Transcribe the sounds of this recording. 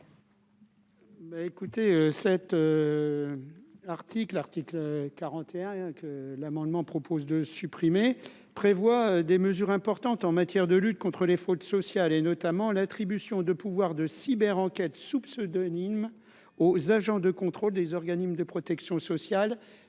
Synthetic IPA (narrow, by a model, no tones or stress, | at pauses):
baekut̪eøsɛt̪ø | aʁt̪iklaʁt̪iklkaʁɑ̃t̪ʰeɛ̃kəlamɑ̃d̪mɑ̃pχɔpʰozd̪əsypχime | pχevwaød̪eməzyʁɛ̃pɔʁt̪ɑ̃t̪ɑ̃mat̪jɛʁd̪əlyt̪̚kɔ̃t̪χəlefot̪sɔsjalenɔt̪amɑ̃lat̪χibysjɔ̃d̪əpuvwaʁd̪əsibɛʁɑ̃kʲɛt̪supsød̪ɔnim | ozaʒɑ̃d̪əkɔ̃t̪χold̪ezɔʁɡanismd̪əpχɔt̪ɛksjɔ̃sɔsjal